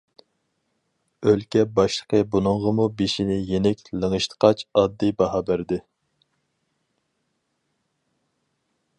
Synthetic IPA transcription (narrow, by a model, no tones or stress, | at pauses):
ølkʲɛbɑʃlˠə̥qʰəbunɨŋʁəmubeʃinɪjenɛkʲlˠəŋəʃt̪ʰə̥qʰɑt͡ʃɑd̪ːɨjbɑɦɑbæɾd̪ɪ